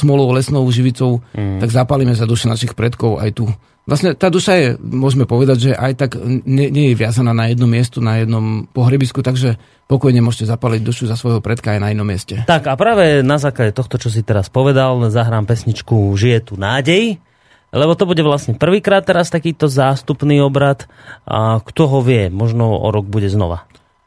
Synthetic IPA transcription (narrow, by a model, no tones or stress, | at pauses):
smɔlɔʊlɛsnɔʊʒiʋit͡sɔʊt̪aɡzapaːlimɛzad̪uʃɛnaʃixpɾɛt̪kɔʊa̰jt̪u | lʔasɲɛt̪aːd̪uʃajɛmʊɔʒmɛpɔʋɛd̪aɟʒɛʔajt̪aɡɲɛɲɛjɛʋɪazanaːnajɛd̪nɔmːɪɛst̪unajɛd̪nɔmpɔɦɾɛbiskut̪aɡʒɛ | pɔkɔjɲɛmʊɔʒcɛzapaliɟd̪uʃuzasʋɔjɦɔpɾɛt̪kaːjnainɔmːɪɛscɛt̪akapɾaːʋɛnazaːklaɟɛt̪ɔxt̪ɔt͡ʃɔs̬it̪ɛɾaspɔʋɛd̪alzaɦɾaːmpɛsɲit͡ʃkuʒijɛt̪uːnaːɟɛj | lɛbɔt̪ɔbuɟɛʋlasɲɛpr̩ʋiːkɾaːt̪ːɛɾast̪akiːt̪ɔzaːst̪upniːɔbɾat̪ | kt̪ɔɦɔʋɪɛmɔʒnɔɔ̰ɾɔɡ̚buɟɛznɔ̰ʋa̰